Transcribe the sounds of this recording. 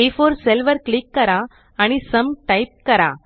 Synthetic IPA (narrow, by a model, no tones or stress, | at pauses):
efoɾselʋəɾklikːəɾaː | ɽ̃isəmʈajp̚kəɾa̰